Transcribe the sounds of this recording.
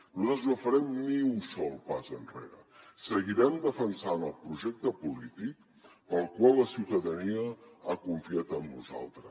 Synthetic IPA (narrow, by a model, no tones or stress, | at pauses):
noəzəfəɾɛmniusɔlˠpazənrḛɾə̰səɣiɾɛmd̪əfənsanəlˠpɾuʒɛk̚t̪əpulit̪ik̚ | pəlˠkwalːəsiwt̪əðəniəakuɱfiat̪əmnṵza̰lˠt̪ɾə